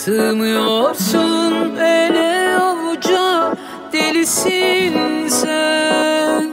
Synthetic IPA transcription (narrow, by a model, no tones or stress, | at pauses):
t̪ʰɯmɯjoɾsunøːlʲɛovud͡ʒa | d̪̥elisinsɛ